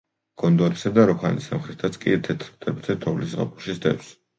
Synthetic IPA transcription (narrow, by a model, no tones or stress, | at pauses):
ɡ̥ɔnd̪ɔɾisad̪aɾɔkʰanisamχɾit̪ʰat̪sʰkʼḭt̪ʰɛt̪ʰɾt̪ʼʰɛbt̪ʰɛt̪ʰɔvlisʁa̰pʼuʃisd̪ɛ̰fs